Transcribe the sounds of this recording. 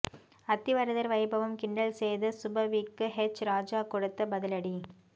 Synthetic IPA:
ɐt̪ːɪʋɐɾɐðɐɾʋɐɪbɐʋɐmkɪɳɖɐɭseːðɐsʊbɐʋiːkːɯɦɛt͡ʃːɾaːd͡ʒaːkɔɽɯt̪ːɐbɐðɐlɐɽi

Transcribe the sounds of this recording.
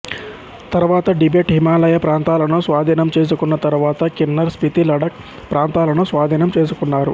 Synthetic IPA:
t̪ɐɾuʋaːt̪ɐɖibeːʈɦimaːlɐjɐpɾaːnt̪aːlɐnusʋaːd̪ʱiːnɐmt͡ʃe̞ːs̬ukunːɐt̪ɐɾuʋaːt̪ɐkinːɐɾspit̪ilɐɖɐk | pɾaːnt̪aːlɐnusʋaːd̪ʱiːnɐmt͡ʃe̞ːs̬ukunːaːɾṵ

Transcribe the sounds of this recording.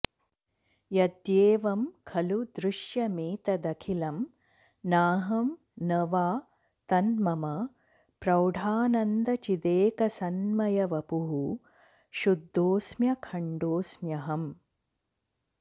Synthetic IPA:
jɐd̪jeːʋɐmkʰɐlud̪ɾuʃjɐmiːt̪ɐd̪ɐkʰilɐm | naːɦɐm | nɐʋaː | t̪ɐnmɐmɐ | pɾɐwɖʱaːnɐnd̪ɐt͡ʃid̪eːkɐsɐnmɐjɐʋɐpuɦu | ʃud̪ʱːoːsmjɐkʰɐɳɖoːsmjɐɦɐm

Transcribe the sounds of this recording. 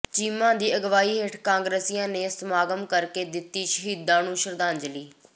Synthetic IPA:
t͡ʃiːmãːd̪iːəɡʋaːiːɦeʈʰkãːŋɡɾeːsiːãːneːsəmaːɡəmkəɾkeːd̪ɪt̪ːiːʃəɦiːd̪ːãːnũːʃəɾd̪ãːnd͡ʒəliː

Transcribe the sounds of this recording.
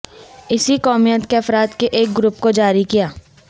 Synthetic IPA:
ɪsikɔːmijət̪keɐfɾaːd̪keʔeːk̚ɡɾʊpkod͡ʒaːɾikijaː

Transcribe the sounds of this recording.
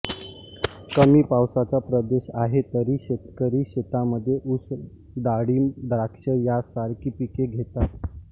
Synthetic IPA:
kəmiːpawsat͡sapɾəd̪eɕaɦet̪əɾiːɕet̪kəɾiːɕet̪aməd̪ʱːjeʔus | d̪aɽiːd̪ɾakʂəjasaɾkipikeɡʱet̪at̪

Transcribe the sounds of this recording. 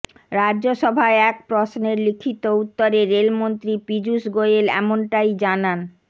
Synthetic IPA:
ɾadːʑoʃɔbʱaeɛk̚pɾosneɾlikʰit̪out̪ːoɾeɾːelmont̪ɾipid͡ʑuʃɡojelɛ̰monʈajd͡ʑanan

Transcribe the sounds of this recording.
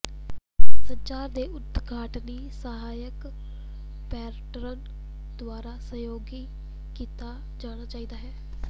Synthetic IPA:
səɲt͡ʃaːɾd̪eːʔʊd̪ɡʱaːʈniːsəɦaːjək | pɛːɾʈɾən | d̪̥ʊaːɾaːsəjoːɡiː | kiːt̪aː | d͡ʒaːɽ̃aːt͡ʃaːiːd̪aːɦɛː

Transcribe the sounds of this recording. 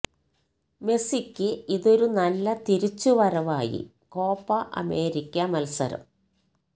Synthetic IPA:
me̞sikʲːɨiðo̞ɾunɐlːɐt̪iɾit͡ɕːuʋɐɾɐʋaːjḭ | ko̞ːpːɐʔɐ̰me̞ːɾikʲːɐmɐlsɐ̰ɾɐ̰m

